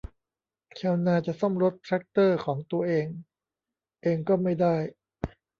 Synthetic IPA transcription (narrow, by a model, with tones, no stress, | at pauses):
kʰɛː˧˩wnaː˧t͡ɕa˨˩ʔsɔ˥˩mɾo˦˥t̪̚pʰɾɛ˦˥k̚t̪ɤː˥˩kʰɔː˩˦ŋt̪u˧ɐʔeː˧ŋ | ʔeː˧ŋkɔː˥˩ma˥˩jdaː˥˩j